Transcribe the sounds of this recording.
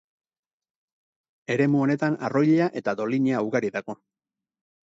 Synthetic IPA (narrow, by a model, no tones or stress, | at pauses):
e̞ɾe̞muo̞ne̞t̪ana̰ro̞jʎeaʔe̞t̪ad̪o̞liɲeauɣaɾiðaɣo̞